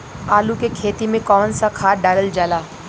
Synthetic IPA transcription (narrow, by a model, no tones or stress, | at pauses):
aːlukekʰeːt̪imẽkɔːnsakʰaːɖaːləld͡ʒaːlaː